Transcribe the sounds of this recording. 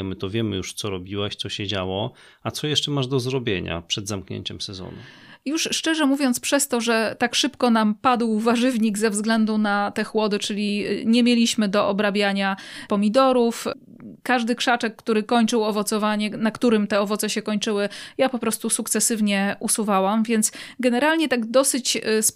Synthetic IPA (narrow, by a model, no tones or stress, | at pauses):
mɘt̪ɔvʲjɛmɘ̰juʂt̪sɔɾɔbʲiwaɕt̪sɔɕɛd͡ʑawɔ | at̪sɔjɛʂt͡ʂɛmaʐd̪ɔzɾɔbʲjeɲa̰pʂɛd̪zamkɲḛɲt͡ɕɛmsɛzɔ̰nṵjuʂːt͡ʂɛʐɛmuvʲjɔnt̪spʂɛst̪ɔʐɛt̪akʂɘpkɔnampad̪wvaʐɘvɲiɡzɛvzɡlɛnd̪unat̪ɛxwɔd̪ɘt͡ʂɘlʲiɲɛmʲjelʲiɕmɘd̪ɔʔɔbɾabʲjaɲapɔmʲid̪ɔɾuf | kaʐd̪ɘkʂat͡ʂɛkːt̪uɾɘkɔɲt͡ʂɘwɔvɔt̪sɔvaɲɛnakt̪uɾɘmt̪ɛɔvɔt̪sɛɕɛkɔɲt͡ʂɘwɘjapɔpɾɔst̪usukt̪sɛsɘvɲɛʔusuvawamvʲjɛnt̪sɡɛnɛɾalɲɛt̪aɡd̪ɔsɘt͡ɕs